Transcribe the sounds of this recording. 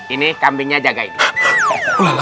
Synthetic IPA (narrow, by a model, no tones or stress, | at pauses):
inikambiɲad͡ʒaɡaḭni